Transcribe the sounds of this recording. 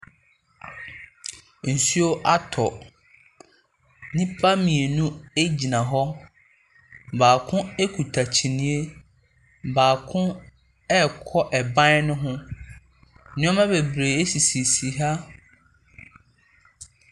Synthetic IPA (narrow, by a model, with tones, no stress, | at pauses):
n̩˨su˦o˦ʔa˦tʰɔ˨ | nɪ̃˦pʰa˦mĩ˨e˨nũ˦e˦d͡ʑi˨nã˨ɦɔ˦ | baː˨kʰʊ̃˦e˦kʰu˨tʰa˨t͡ɕʰi˨nĩ˨˦e˦ | baː˨kʰʊ̃˦ | ɛ˦kʰɔ˦ʔɛ˨bã˦nʊ̃˦ɦʊ̃˦ | nɪ̃˦ɔ˦mã˦be˨bɾe˨e˦si˨si˨si˨ɦa˦